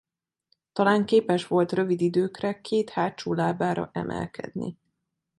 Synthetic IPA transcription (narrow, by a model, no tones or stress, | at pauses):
t̪ɒlaːŋkeːpɛʃʋo̞lt̪rø̞vid̪id̪øːkrɛkʰeːt̪haːt͡ʃoːlaːbaːɾɒ̰ʔɛ̰mʔɛ̰lkɛ̰d̪nḭ